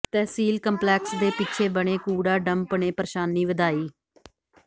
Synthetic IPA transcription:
t̪ɛːsiːlkəmplɛːksd̪eːpɪːt͡ʃʰeːbəɽ̃eːkuːɽaːɖəmpəɳeːpəɾʃaːnːiːʋəd̪aːiː

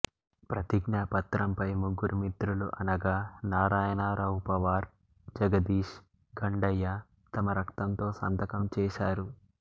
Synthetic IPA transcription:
pɾɐt̪iɡnaːpɐt̪ɾɐmpɐjmuɡːuɾumit̪ɾuluʔɐnɐɡaːnaːɾaːjɐnaːɾʔɐwupɐʋaːɾ | d͡ʒɐɡɐd̪iːʃ | ɡɐɳɖɐjːa | t̪ɐmɐɾɐkt̪ɐnt̪o̞ːsɐ̰nd̪ɐkɐmt͡ʃɛːʃaːɾu

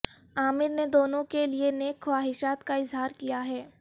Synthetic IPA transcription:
aːmɪɾned̪oːnõkelieneːkʰwaːɦɪʃaːt̪kaɪzɦaːɾkijaɦɛː

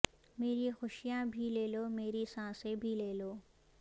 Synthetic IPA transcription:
meːɾixʊʃijãbʱileːloːmeːɾisãːsẽbʱileːloː

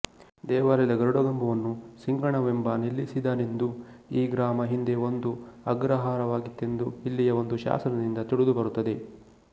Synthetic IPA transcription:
d̪ɛːʋaːlɐd̪ɐɡɐɾuɽɐɡɐmbɐʋɐnːusiŋɡɐɳɐʋembɐnilːisid̪aːnend̪u | iːɡɾaːmɐɦind̪eo̞nd̪uɐɡɾɐɦaːɾɐʋaːɡit̪ːe̞nd̪uilːijɐo̞nd̪uʃa̰ːsɐnɐd̪ind̪ɐt̪iɽud̪ubɐɾut̪ːɐd̪e̞

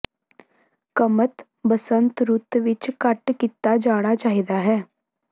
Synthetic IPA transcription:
kəmət̪ | bəsənt̪ɾʊt̪ʋɪt͡ʃkəʈkit̪ːad͡ʒaːɽ̃at͡ʃaːɦiːd̪aːɦɛː

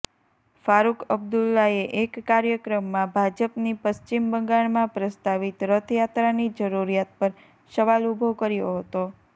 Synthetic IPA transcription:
faɾukʰəb̚d̪ulːaeʔekːaɾjəkɾəmːãbʱad͡ʒəpnipəst͡ʃimbəŋɡaɭmãpɾəst̪aʋit̪ɾət̪ʰəjat̪ɾanid͡ʒəɾuɾijat̪̚pəɾ | səʋalubʱokəɾjoɦət̪o

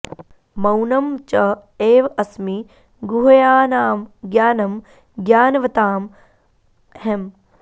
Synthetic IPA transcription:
mɐwnɐmt͡ʃɐeːʋɐsmi | ɡuɦɐjaːnaːmɡjaːnɐm | ɡjaːnɐʋɐt̪aːm | hem

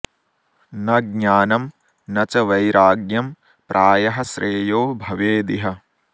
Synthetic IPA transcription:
nɐɡ̚ɲaːnɐm | nɐt͡ʃɐʋɐjɾʔaːɡjɐm | pɾʔaːjɐɦɐsɾʔeːjoːbʱɐʋeːd̪iɦɐ

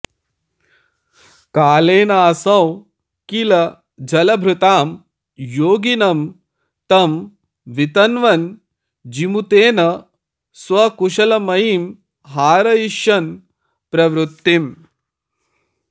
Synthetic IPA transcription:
kaːleːnaːsɐw | kilɐ | d͡ʒɐlɐbʱɾut̪aːm | joːɡinɐm | t̪ɐm | ʋit̪ɐnʋɐn | d͡ʒimut̪eːnɐ | sʋɐkuʃɐlɐmɐjim | ɦaːɾɐjiʃjɐn | pɾɐʋɾut̪ːim

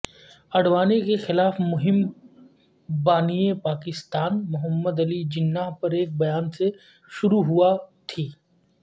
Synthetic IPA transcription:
ɐɽʋaːnekexɪlaːfmʊɦɪm | baːniepaːkɪst̪aːnmʊɦəmːəd̪ɐlid͡ʒɪnːaːɦpɐɾeːk̚bɐjaːnse | ʃʊɾuɦuat̪ʰiː

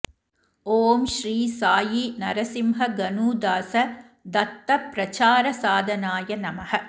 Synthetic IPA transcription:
oːmʃɾiːsaːjinɐɾɐsimɦɐɡɐnuːd̪aːsɐ | d̪ɐt̪ːɐpɾɐt͡ʃaːɾɐsaːd̪ʱɐnaːjɐnɐmɐhɐ

